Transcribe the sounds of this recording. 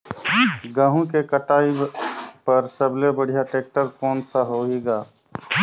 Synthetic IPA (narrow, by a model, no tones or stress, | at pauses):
ɡə̃ɦũkekəʈaːipəɾsəblebəɽ̤ijaʈeːk̚ʈəɾkɔːnsaɦoɦeːɡaː